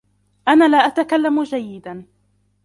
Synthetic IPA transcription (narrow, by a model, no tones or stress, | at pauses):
ʔanaːlaːʔat̪akalːamd͡ʒajːɪd̪an